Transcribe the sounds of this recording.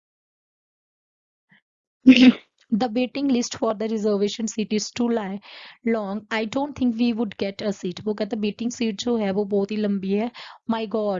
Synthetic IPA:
d̪əbeːʈɪ̃ŋɡlɪsʈfɔːɾd̪əɾɪzəɾʋeːʃə̃nsiːʈɪz̥ʈuːlaɪlɔ̃ːŋɡaːɪɖõːɳʈ̚t̪ʰɪ̃ŋkʋiːʋʊɖɡɛʈəsiːʈʋoːk̬ɛt̪ɛ̃beːʈɪ̃ŋsiːʈ̚d͡ʒoːɦɛʋoːbɔːt̪ɦiːlə̃mbiɦɛːmaɪɡɔːɖ

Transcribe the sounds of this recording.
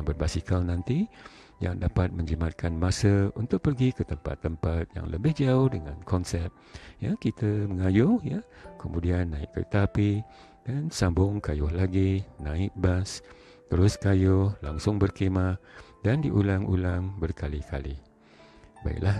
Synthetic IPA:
ŋbərbasikalnãnt̪i | ja̰ŋdapat̪̚mə̃ɲd͡ʒimat̪̚kʰanmãsəunt̪ʊk̚pərɡikət̪əmpa̰t̪ːəmpat̪̚ja̰ŋlə̰bɪhd͡ʒaʊhdəŋankɔnsɛp̚jakit̪əməŋajʊhjakəmũdianːãɪk̚kə̰t̪api | d̥ansambʊŋkajʊhlaɡinãɪk̚bas | t̪əɾʊskajʊhlaŋsʊŋbərkemadandiʔulaŋṵlaŋbərkalika̰li | ba̰ɪ̰ʔlah

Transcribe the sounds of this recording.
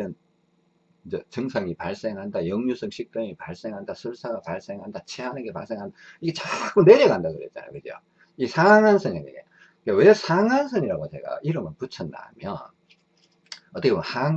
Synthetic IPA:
ɯn | id͡ʑet͡ɕɯŋsʰaŋipaɭs͈e̞ŋɦandajʌŋɲusʰɯŋɕʰik̚t͈ʌŋipaɭs͈e̞ŋɦandasʰuɭs͈ʰaɡapaɭs͈e̞ŋɦandat͡ɕʰeɦanɯnɡe̞paɭs͈e̞ŋɦandaiɡe̞t͡ɕak͈une̞ɾeɡandaɡɯɾet̚t͡ɕ͈a̰na̰jo̰kɯd͡ʑjo̰ | isʰaŋansʰɯɲinḛɡḛ | kawesʰaŋansʰɯɲiɾaɡot͡ɕe̞̰ɡa̰iɾɯmɯnput͡ɕʰʌnːa̰mjʌn | ʌt͈ʌkʰemhaŋ

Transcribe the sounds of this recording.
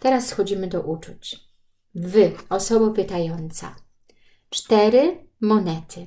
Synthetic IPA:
t̪ɛɾasxɔd͡ʑimɘd̪ɔʔut͡ʂut͡ɕ | vɘɔsɔbɔpɘt̪ajɔnt̪sa̰ | t͡ʂt̪ɛɾɘmɔnɛt̪ʰɘ

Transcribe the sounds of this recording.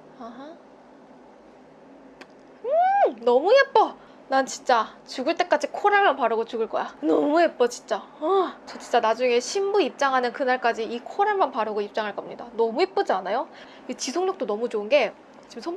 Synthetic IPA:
aɦa | ɯnʌmuɦep͈ʌ | nant͡ɕint͡ɕ͈at͡ɕuɡɯɭt͈e̞k͈ad͡ʑikʰoɾaɭmanpaɾɯɡot͡ɕuɡɯɭk͈ʌ̰janʌmuɦep͈ʌt͡ɕi̥nt͡ɕ͈aʌt͡ɕʌt͡ɕʰint͡ɕ͈anad͡ʑuŋe̞ɕʰimbuip̚t͡ɕ͈aŋɦanɯnkɯnaɭk͈ad͡ʑiʔikʰoɾaɭmanpaɾɯɡoip̚t͡ɕ͈aŋɦaɭk͈ʌmɲidanʌmuɦep͈ɯd͡ʑanajo | kit͡ɕisʰoŋɲʌk̚t͈onʌmut͡ɕoɯnɡe̞ | t͡ɕimsʰʌ

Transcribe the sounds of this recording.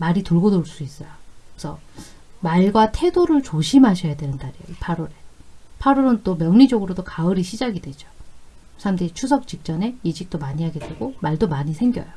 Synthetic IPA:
maɾituɭɡodoɭs͈uis͈ʌjoksʰʌmaɭɡwatʰe̞doɾɯɭt͡ɕoɕʰimɦaɕʰʌjadwe̞nɯntaɾijo̰ipʰaɾoɾe̞pʰaɾoɾɯnt͈omjʌŋɲid͡ʑʌɡɯɾodokaɯɾiɕʰid͡ʑaɡidwe̞d͡ʑo̥ | sʰaamteit͡ɕʰus̬ʰʌk̚t͡ɕ͈ik̚t͡ɕ͈ʌne̞id͡ʑik̚t͈omaɲiɦaɡe̞dwe̞ɡomaɭdomaɲisʰe̞ŋɡjʌ̰jo

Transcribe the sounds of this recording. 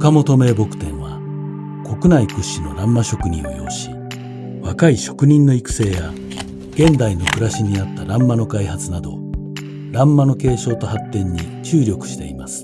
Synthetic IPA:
ɯkamo̞t̪o̞me̞ːbo̞kɯ̟̥t̪ẽ̞ɰ̃βa | ko̞kɯ̟naikɯ̟ɕːino̞̰ɾãmːaɕo̞kɯ̟ɲ̟ḭ̃ɰ̃o̞̰jo̞̰ːɕi̥ | βakaiɕo̞kɯ̟ɲ̟ĩnːo̞ikɯ̟̥se̞ːja | ɡ̥ẽ̞nd̪aino̞kɯ̟ɾaɕiɲ̟inat̪ːaɾãmːano̞kaihat͡sɨnad̪o̞̰ | ɾãmːano̞ke̞ːɕo̞ːt̪o̞hat̪ːẽ̞ɲ̟ːit͡ɕɨːɾʲo̞kɯ̟̥ɕi̥t̪e̞imasɨ̥

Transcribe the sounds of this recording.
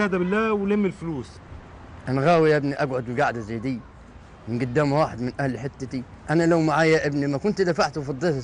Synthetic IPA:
æd̪æbɪlːæːwlemːɪlfluːs | ʔænæɣæːwijæʔɪbniʔæɡʕod̪mɪɡaʕd̪æzæjːd̪iː | mɪnɡʊd̪ːæːmwaːħed̪mɪnʔæhlħet̪ːæt̪i | ʔænælæwmaʕaːjæʔɪbnimækʊnt̪d̪æfaʕt̪wfɑd̪ˤːe

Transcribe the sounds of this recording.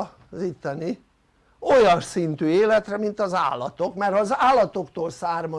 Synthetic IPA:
zit̪ːɛni | o̞jɒnsint̪yːeːlɛt̪rɛmint̪ɒza̰ːlːɒt̪okmɛrɒzaːlːɒt̪o̞kt̪oːlsaːrmɒ

